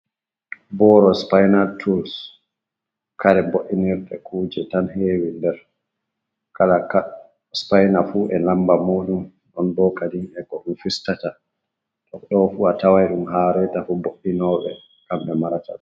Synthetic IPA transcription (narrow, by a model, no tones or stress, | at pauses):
bɔːɾɔspajnaltʰuls | kaɾɛboʔːiniɾɗɛ̰kʰuːd͡ʒɛtanheːwindɛɾ | kʰalaka | spajnafuʔɛlambamoːɗum | ɗɔnbɔkadiŋɛkɔɗumfistata | tɔkɗɔfuatawajɗumɦaɾɛtafuboʔːinɔɓɛ̰ | kamɓɛmaɾata̰